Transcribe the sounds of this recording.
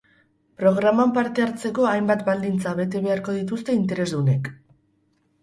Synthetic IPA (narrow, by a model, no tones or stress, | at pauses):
pɾo̞ɣ̞ɾamampaɾt̪e̞aɾt͡se̞ko̞ajmbat̪bald̪int͡saβe̞t̪e̞β̞e̞aɾko̞ð̞it̪ust̪e̞int̪e̞ɾezd̪une̞k